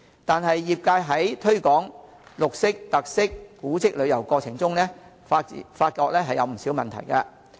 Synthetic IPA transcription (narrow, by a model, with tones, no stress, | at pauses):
t̪aː˨nɦɐ˨jːiː˨p̚kaː˧jɦɐ˨˥jt̪ʰɵ˥ɥkɔː˨˥ŋ | lʊ˨k̚sɪ˥k̚t̪ɐ˨k̚sɪ˥kːuː˨˥t͡sɪ˥k̚lɵ˨˧ɥjɐ˨˩wkɔː˧t͡sʰɪ˨˩ŋt͡sʊ˥ŋlɛː˥ | fa̰˧˨faː˧t̚kɔː˧k̚lɛː˥ɦɐ˨jɐ˨˧wm̩˨˩siː˨˥wmɐ˨nt̪ʰɐ̰˨˩jkɐ˧